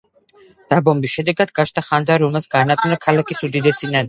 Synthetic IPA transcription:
d̪̥abɔmbisʃɛd̪ɛɡad̪ɡat͡ʃʰt̪ʰaχand̪zaɾɔmɛlˠsɡanakʼnakʰalakʰisud̪id̪ɛsinan

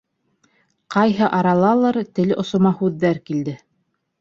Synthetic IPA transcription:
qɑjɦɤʔɑɾɑlˠɑlˠɤɾt̪ɘ̆lʔŏsŏmɑhʉðːæɾkild̪ɘ

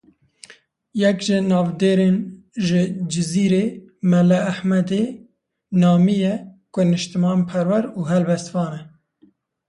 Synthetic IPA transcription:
jɛkʒɪnɑːvd̪eːɾeːn | ʒɪd͡ʒɪziːɾeː | mɛlɛːħmɛd̪e | nɑːmijɛkʊnɨʃt̪ɨmɑːnpʰɛɾwɛɾuːɦɛlbɛst̪vɑːnɛ

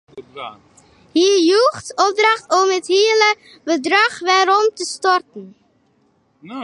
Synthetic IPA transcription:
hijuχtɔp̚drɑχtomətɦiːlə | bədrɑχʋaːɾɔmtəstɔrtən

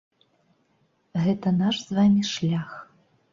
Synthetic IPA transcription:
ɣɛt̪ɐnaʂz̥vamʲiʂlʲax

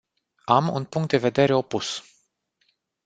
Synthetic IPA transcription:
amṵnpuŋkt̪̚d̪e̞ve̞d̪e̞ɾe̞o̞pus

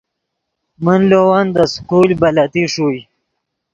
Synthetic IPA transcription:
mənlowand̪əskulbalat̪iʂuj

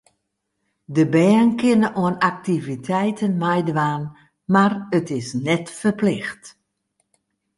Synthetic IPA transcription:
dəbɛənkɪnəʔoənak̚tivitʰɛjtʰənmajdəʋaːn | marətɪsnɛtfərplɪxt

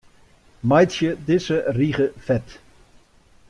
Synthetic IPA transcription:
majtʃjədɪsəriːχəfɛt

